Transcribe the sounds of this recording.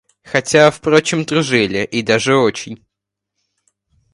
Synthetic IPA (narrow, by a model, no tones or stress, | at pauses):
xɐtʲafpɾo̞t͡ɕɪmt̪ɾʊʐɛlʲɪʔid̪aʐɨo̞t͡ɕɪnʲ